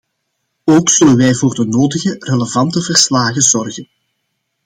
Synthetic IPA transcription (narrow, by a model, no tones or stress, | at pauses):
oːksɵlənʋɛjvoːrdənoːdəɣəreləvɑntəvərslaːɣəzɔrɣən